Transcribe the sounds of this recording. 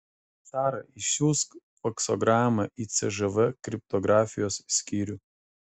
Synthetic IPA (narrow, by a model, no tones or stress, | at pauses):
t̪sɑːɾɐɪuːsk | fɔksɔɡɾɑːmɐʔit̪sʲɛʒɛʋɛkɾʲɪp̚t̪ɔɡɾɑːfʲɪjoːsːʲkʲiːɾʲuː